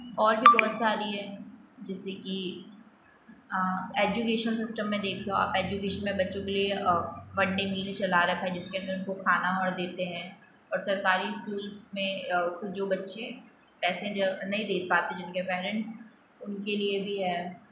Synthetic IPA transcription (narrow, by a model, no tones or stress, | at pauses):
ɔːɾbʱibɔːt̪saːɾiɦɛːd͡ʒɛːseki | eːd͡ʒukeːʃəlsɪsʈəmːẽd̪eːkʰeõa̰ːpeːd͡ʒukeːʃənmẽbɐtːʃõkelieʋɐ̃ɳɖemiːlt͡ʃɐlaɾɐkʰɦɛd͡ʒɪskeɐ̃nd̪əɾʊnkokʰaːnaɦɔːɾd̪eːt̪eɦɛ̃ː | ɔːɾsɐɾkaːɾiskuːlsmẽkʊd͡ʒoːbɐtːʃẽ | pɛːsẽnɐɦĩd̪eːt̪̚paːt̪ẽd͡ʒɪnkepɛːɾə̃ɳʈs | ʊnkeliebʱiɦɛː